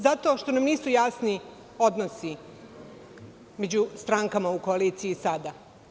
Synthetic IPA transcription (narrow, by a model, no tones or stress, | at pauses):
zat̪o̞ʃt̪o̞namniːsujasni | o̞d̪nosi | me̞d͡ʑust̪ɾaŋkamaukoaliːt̪sijisad̪a